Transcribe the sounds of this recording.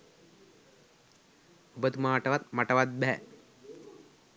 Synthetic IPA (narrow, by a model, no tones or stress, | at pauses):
bət̪umaːʈɐʋat̪̚mɐʈɐʋat̪̚bɛ